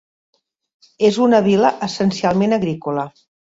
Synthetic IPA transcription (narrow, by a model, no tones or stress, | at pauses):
ezunəβiləʔəsənsialˠmenəɣɾikulə